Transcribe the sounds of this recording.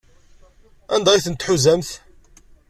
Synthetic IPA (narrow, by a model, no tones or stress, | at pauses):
ænd̪ɑjθənt̪ħuzæmθ